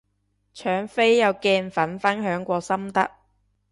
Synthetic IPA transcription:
t͡ʃʰœː˨˥ŋfe˥jːɐ˨˧wkɛː˧nfɐ˨˥nfɐ˥nɦœː˨˥ŋkʷɔː˧sɐ˥mt̪ɐ˥k̚

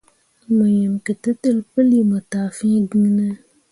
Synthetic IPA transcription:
mɨ˨ɲɛ˨mkɨ˨tɨ˦tɨ˦lpɨ˦li˦mɨ˨taː˨fĩ˦ɡi˦nɨ˦

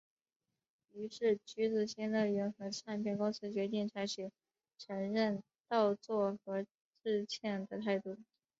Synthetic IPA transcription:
y˧˥ʂɻ̩˥˩t͡ɕy˧˥t͡sɹ̩˨˩ɕɛ˥nlə˥˩ɥɛ˧˥nxɤ˧˥ʈ͡ʂʰa˥npʰjɛ˥˩nkʊ˥ŋt͡s̩ʰ˧˥t͡ɕɥɛ˧˥t̪i˥˩ŋt͡sʰa˧˥ɪt͡ɕʰy˨˩ | ʈ͡ʂʰɤ˧˥ŋɻə˥˧n | t̪ɑ˥˧ʊt͡swɔ˥˩xɤ˧˥ | ʈ͡ʂɻ̩˥˧t͡ɕʰjɛ˥˩nd̪ə˩t̪ʰa˥˧ɪt̪u˥˩

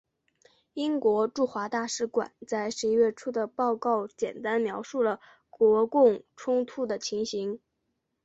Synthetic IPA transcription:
i˥ŋkwɔ˧˥ʈ͡ʂu˥˩xwa˧˥t̪a˥˩ʂɻ̩˧˥kwa̰˨˩˦nt͡sa˥˩ɪʂɻ̩˧˥i˥ɥɛ˥˩ʈ͡ʂʰu˥˩d̪ə˩pɑ˥˧ʊkɑ˥˩ʊt͡ɕjɛ̰˨˩nt̪a˥nmjɑ˧˥ʊʂu˥˩lə˩ | kwɔ˧˥kʊ˥˩ŋʈ͡ʂʰʊ˥ŋt̪ʰu˥˩d̪ə˩t͡ɕʰi˧˥ŋɕi˧˥ŋ

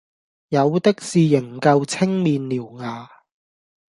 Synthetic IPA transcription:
jɐ˨˧wt̪ɪ˥k̚siː˨jɪ˨˩ŋkɐ˧wt͡sʰɪ˥ŋmiː˨nliː˨˩wŋaː˨˧

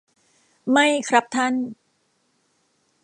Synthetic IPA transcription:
ma˥˩jkʰɾa˦˥p̚t̪ʰa˥˩n

